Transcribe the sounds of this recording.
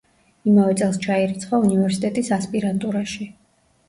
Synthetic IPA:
imavɛt̪sʼɛlˠst͡ʃʰaiɾit̪sʰχɔunivɛɾsit̪ʼɛt̪ʼisaspʼiɾant̪ʼuɾaʃi

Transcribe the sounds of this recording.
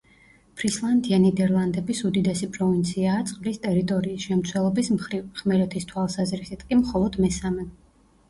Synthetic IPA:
pʰɾislˠand̪ianɛd̪ɛɾlˠand̪ɛbisud̪id̪ɛsipʼɾɔvint̪sʰiaːt̪sʼqʼlist̪ʼɛɾit̪ʼɔɾiːsʃɛmt̪sʰwɛlˠɔbismχɾivχmɛɾɛt̪ʰist̪ʰwalˠsazɾisit̪ʰʼkʼimχɔlˠɔd̪mɛsamɛ

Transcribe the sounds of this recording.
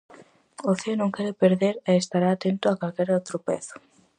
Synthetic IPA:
oθeonõŋkeɾepeɾðeɾeːst̪aɾaːt̪ent̪ʊakalkeɾowt̪ɾʊpḛθʊ̥

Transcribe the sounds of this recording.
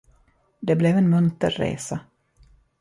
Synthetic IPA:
d̪ɛblɛvɛnmɵnt̪əɾːḛːsa

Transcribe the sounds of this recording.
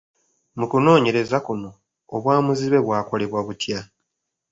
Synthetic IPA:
mukuno̞ːɲe̞ɾe̞zakuno̞ː | βwaːmuziβe̞βwaːko̞le̞βwaβutja

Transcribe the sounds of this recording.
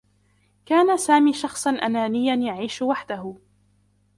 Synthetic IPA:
kaːnasaːmiːʃɑxsˤɑnʔanaːnɪjːanjaʕiːʃʊwaħd̪ahʊ

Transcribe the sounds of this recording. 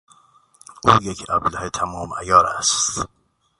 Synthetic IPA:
ʔuːjekʰæblæhet̪ʰæmɒːmæ̰jɒːɾæst̪t̪

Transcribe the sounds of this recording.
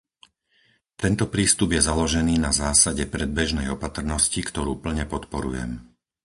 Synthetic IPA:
t̪ɛnt̪ɔpɾiːst̪ubjɛzalɔʒɛniːnazaːsaɟɛpɾɛd̪̚bɛʒnɛjɔpat̪r̩nɔscikt̪ɔɾuːpl̩ɲɛpɔt̪pɔɾṵjɛ̰m

